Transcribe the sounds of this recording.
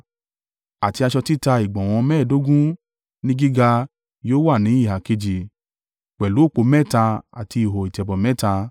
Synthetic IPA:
a˨ti˧a˧ʃɔ˧ti˦ta˧i˨ɡ͡bɔ̃˨w̃ɔ̃˧mɛ˦˨do˦ɡũ˦ | nĩ˦ɡi˦ɡa˧ | joː˦wa˦˨nĩ˨˦i˦˨ɦa˨ke˧d͡ʒi˨ | k͡pɛ˨lu˨˦o˦˨k͡po˧mɛ˦˨tã˧a˨ti˧i˨ɦo˨i˨tɛ˨bɔ˨mɛ̃˦˨tã˧

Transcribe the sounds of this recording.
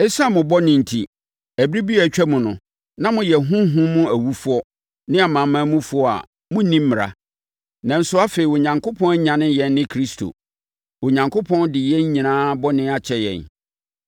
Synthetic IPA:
ɛ˦sa˦mʊ̃˨bɔ˦nɪ̃˨n̩˨tʰi˨ | æ˨bɾi˦bi˦æ˨t͡ɕᶣɛ˦mũ˨nʊ̃˨ | nã˦mʊ̃˨jɛ˨ɦũ˦ɦũ˦mũ˦æ˨wu˦fu˦ɔ˦ | nɪ̃˦a˨mã˨˦mãː˦mũ˦fʊ˦ɔ˦˨a̰˨ | mʊ̃˦nĩ˦m̩˦m˨ɾa̰˦ | nã˨n̩˦sʊ˦a˦fe˨i˨wo˨ɲã˨ŋkʰʊ˦pʰɔ̃˦n˦ɲã˨nɪ̃˦jɛ˨nː˦ɪ̃˦kʰɾi˦stʰo̰˨ | o˨ɲã˨ŋkʰo˦pʰɔ̃˦ndɪ˨jɛ˦ɲ˦ɲĩ˨nãː˦bɔ˦nɪ̃˦a˨t͡ɕʰɛ˦jɛ̰̃˨n

